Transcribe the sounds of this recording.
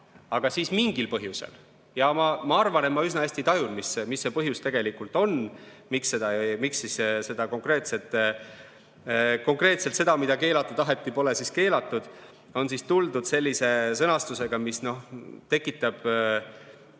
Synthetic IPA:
ɑɡ̥ɑsiːsmiŋɡ̥ilpɤɦjuse̞̰l | jɑmɑmɑɑrvɑnemmɑysnɑesʲt̪it̪ɑjunmisemisːe̞pɤɦjust̪e̞ɡ̥e̞likult̪ˑo̞n | miksːe̞d̪ɑmiksisse̞d̪ɑko̞ŋkre̞ːt̪se̞t̪ːˑ | ko̞ŋkre̞ːt̪selt̪se̞d̪ɑmid̪̥ɑke̞ːlɑt̪ːˑud̪ɑɦe̞t̪ːˑipo̞le̞siske̞ːlɑt̪ːˑud̪̥ | o̞nsist̪uld̪ud̪̥se̞lʲːise̞sɤnɑst̪use̞ɡ̥ɑmisno̞ht̪e̞kːˑit̪ːˑɑb̥

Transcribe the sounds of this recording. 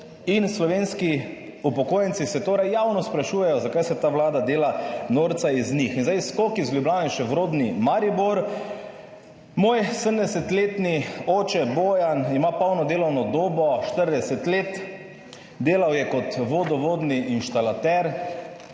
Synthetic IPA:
inslɔʋeːnski | upɔkoːjənt̪sisɛt̪oːɾɛjjaːwnɔspɾaʃuːjɛjɔzakajsɛt̪aːʋlaːd̪ad̪eːlanoːɾt̪saiznixinzdajskokizlʲjublʲjaːniʃɛʋɾoːd̪nimaɾiboɾ | moːjsəmd̪ɛsɛt̪leːt̪nioːt͡ʃɛboːjanimapawnɔd̪eːlɔwnɔd̪oːbɔʃt̪əɾd̪ɛsɛt̪leːt̪ | d̪eːlawjɛkɔt̪ʋoːd̪ɔʋoːd̪niʔinʃt̪alat̪ɛɾ

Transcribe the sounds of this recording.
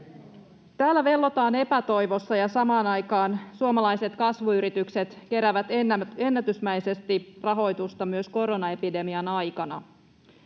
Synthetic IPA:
t̪æːlːæʋe̞lːo̞t̪ɑːne̞pæt̪o̞jʋo̞sːɑjɑsɑmɑːnɑjkɑːnsuomɑlɑjse̞t̪kɑsʋuyɾit̪ykse̞t̪ke̞ɾæʋæt̪nːe̞nːæt̪ysmæjse̞st̪irɑɦo̞jt̪ust̪ɑmyøsko̞ɾo̞nɑe̞pide̞miɑnɑjkɑnɑ̰

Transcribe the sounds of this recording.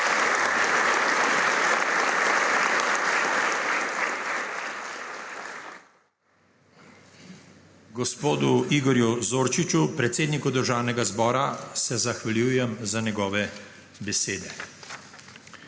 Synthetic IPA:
ɡɔspoːd̪uiɡɔɾjuzoːɾt͡ʃit͡ʃupɾɛt̪seːd̪nikud̪əɾʒaːwnɛɡazbɔːɾasɛzaxʋaljuːjɛmzanɛɡɔːʋɛ | bɛseːd̪ɛ

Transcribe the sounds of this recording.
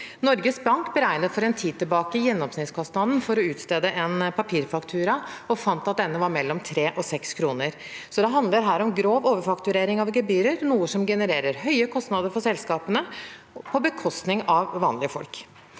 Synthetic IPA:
nɔɾɡəsbɑŋkbəɾæɪnəfɔɾɛnt̪ʰiːd̪̚t̪ɪlbɑːkəjɛnːɔmsnɪt̪skʰɑst̪nɑd̪n̩fɔɾɔʉːt̪st̪eːd̪əʔɛnpʰɑpʰiːɾfɑkt̪ʰʉːɾɑɔfɑnt̪ɑt̪̚d̪ɛnːəʋɑɾmɛlːɔmt̪ʰɾeːʔɔsɛkskʰɾuːnəɾ | sɔd̪ɛɦɑnd̪ləɾɦæːɾɔmɡɾoːʋoːʋəɾfɑkt̪ʉɾeːɾɪŋɑʋɡɛbyːɾəɾnuːəsɔmɡɛnəɾeːɾəɾɦœʏəkʰɔst̪nɑd̪əɾfɔsɛlskɑːpənə | pʰɔbəkʰɔst̪nɪŋɑʋːɑːnlɪəfɔ̰lk

